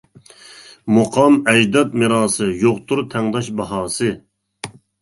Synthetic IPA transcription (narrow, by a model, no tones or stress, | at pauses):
moqʰɑmɛd͡ʒd̪ɑt̪̚mɨɾɑːsɨjoqt̪ʰuɾt̪ʰɛŋd̪ɑʃbɑɦɑːsɨ